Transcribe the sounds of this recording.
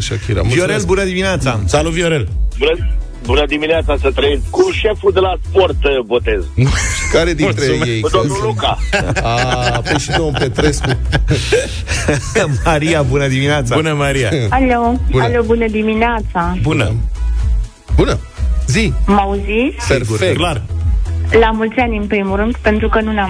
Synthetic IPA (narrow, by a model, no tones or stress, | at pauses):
aʃakiɾa̰mvioɾelbunəd̪imineat̪sasaluvioɾelbun | bunəd̪imineat̪sasət̪ɾəeskuʃefud̪elasport̪bot̪ezkaɾed̪iɾmed̪oʃukaapojʃinompet̪ɾesku | maɾiabunəd̪imineat̪sabunəmaɾiaalowalobunəd̪imineat̪sabunə | bunə | zimauzit̪seɡuɾklar | lamult̪sianʲɨnpɾimuɾɨnd̪pent̪ɾukənuna